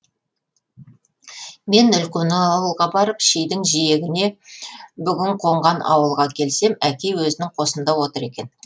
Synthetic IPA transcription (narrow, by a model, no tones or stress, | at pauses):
me̞nʏlkʲenɪɑwəlˠʁɑbɑɾəpʃejd̪ɪŋʒije̞ɡʲɪne̞ | bʏɡʲɪɴqʰo̞ɴʁɑnʔɑ̰wəlˠʁɑkʲʰe̞lse̞mækʲe̞jwɵzɪnɪŋqʰo̞sənd̪ɑwo̞t̪əɾe̞kʲe̞n